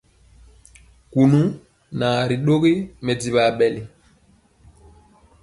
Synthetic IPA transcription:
ku˨nu˦ | na˨ɾi˨ɗo˦ɣi˦mɛ˨di˨ɓa˨ɓɛ˨li˨

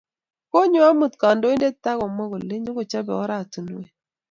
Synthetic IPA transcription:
ko˦ɲo˦a˦mu˨tka˨ndo˦i˦nde˦ta˦kɔ˨mɔ˦ɡo˨le˦ɲo˦ko˨t͡ʃa˦bɛ˨ɔ˦ɾa˦˨tu˨n˨we˨

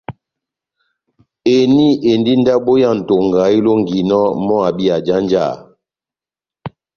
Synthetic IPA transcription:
e˨ni˦˨ʔe˨ndi˦n˦da˦ɓo˦ja˦˨n̩˨to˨ŋɡa˨i˦lo˦ŋ˨ɡi˨nɔ˦mɔ˦a˨bi˦a˨d͡ʒa˦nd͡ʒa̰˦˨

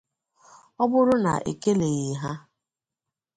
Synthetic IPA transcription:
ɔ˦bʊ˦ɾʊ˦na̰˨ʔḛ˨ke˦le˨ɣɪ˨ɦa˦

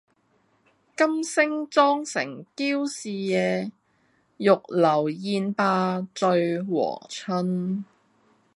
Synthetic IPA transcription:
kɐ˥msɪ˥ŋt͡sɔː˥ŋsɪ̰˨˩ŋkiː˥wsiː˨jɛː˨˧ | jʊ˨k̚lɐ˨˩wjiː˧npaː˧t͡sɵ˧ɥwɔ̰ː˨˩t͡sʰɵ˥n

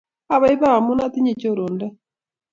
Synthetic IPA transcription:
a˨βa˦i˦βa˦a˨mu˦na˦t̪i˦ɲi˨t͡ʃo˦ɾoː˨ndɛ˦

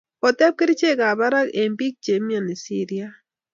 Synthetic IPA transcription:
ɔ˨tɛ˦p̚kɪ˦ɾt͡ʃe˦ka˨ba˦ɾa˦ke˨mbi˦k̚t͡ʃe˨mja˨ni˨si˦ɾia˦

